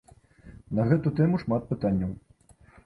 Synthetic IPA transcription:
nɐɣɛt̪ut̪ɛmuʂmat̪̚pɨt̪anʲːɐw

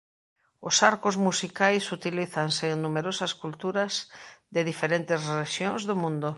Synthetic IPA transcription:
ʊsaɾkʊzmusikajsut̪iliθaŋseŋnumeɾosɐskult̪uɾɐsðɪðifeɾent̪ɪsreʃjõŋzðʊmũnd̪ʊ

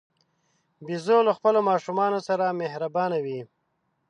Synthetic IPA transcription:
bizoləxpəlomɑʃumɑnosaɾamehɾabɑnawi

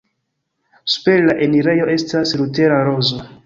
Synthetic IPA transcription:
su̥pe̞ɾlaʔe̞niɾe̞jo̞e̞staslute̞ɾaɾo̞zo

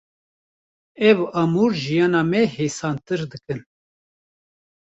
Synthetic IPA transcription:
ɛvʔɑmuːɾʒijɑːnɑːmɛheːsɑːnt̪ɨɾd̪ɨkɨn

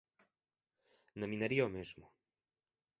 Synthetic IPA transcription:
nɐmĩnaɾiɐomezmʊ

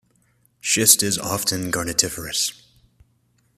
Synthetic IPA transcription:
ʃɪstɪzɑ̰ftʰɨ̃nɡɑɹnɨtʰɪfə˞ɨs

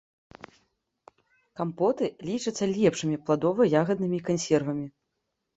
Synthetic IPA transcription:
kampɔt̪ɨlʲit͡ʂɨt̪sːɐlʲɛpʂɨmʲiplˠad̪ɔvɐjaɣɐd̪̚nɨmʲikanʲsʲɛrvɐmʲi

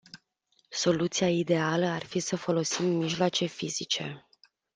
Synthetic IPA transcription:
so̞lut̪sijaid̪e̞aləarfisəfo̞lo̞simːiʒloat͡ʃe̞fizit͡ʃe̞̰

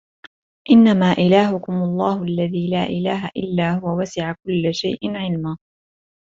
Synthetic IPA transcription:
ʔɪnːamaːʔɪlaːɦʊkʊmʊlˤːɑːhʊʔalːaðiːlaːʔɪlaːɦaʔɪ̰lːaːhʊwawasɪʕakʊlːʃa̰jʔɪnʕɪlmaː

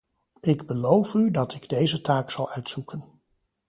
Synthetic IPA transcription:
ɪɡbəlowfydɑtɪɡdejzətaːksɑlˠœɥtsukən

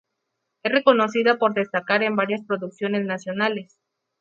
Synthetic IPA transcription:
e̞sre̞ko̞no̞siðapo̞ɾðe̞st̪akaɾe̞mbaɾjaspɾo̞ðuksjo̞ne̞snasjo̞nale̞s

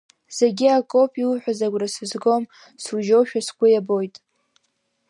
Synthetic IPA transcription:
z̥e̞ɡʲiakʼopʼiwuħʷᶣazaɡʷrasɨzɡo̞m | sruʒo̞wʃᶣasɡʷʰʼʊjabo̞jtʼ

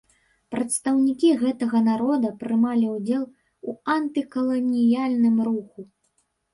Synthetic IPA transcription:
pɾɐt̪st̪ɐwnʲikʲiɣɛt̪ɐɣɐnaɾɔd̪ɐpɾɨmalʲiwd͡zʲɛlˠ | uɐnt̪ɨkɐlˠɔnʲijalʲnɨmruxu

